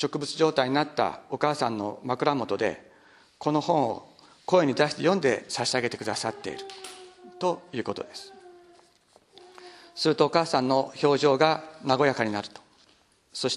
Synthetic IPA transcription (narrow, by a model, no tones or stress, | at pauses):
t͡ɕo̞kɯ̟bɯ̟t͡sɨʑo̞ːt̪aiɲ̟inat̪ːa̰o̞kaːsãnːo̞̰makɯ̟ɾamo̞t̪o̞d̪e̞̰ | ko̞no̞hõ̞ɰ̃o̞̰ | ko̞e̞ɲ̟id̪aɕi̥t̪e̞jõ̞nd̪e̞saɕiaɡe̞t̪e̞kɯ̟d̪asat̪ːe̞̰ḭɾɯ̟t̪o̞jɯ̟ːko̞t̪o̞̰d̪e̞sɨ̥ | sɨɾɯ̟t̪o̞ːkaːsãnːo̞ço̞ːʑo̞ːɡanaɡo̞jakaɲ̟inaɾɯ̟t̪o̥ | so̞ɕi̥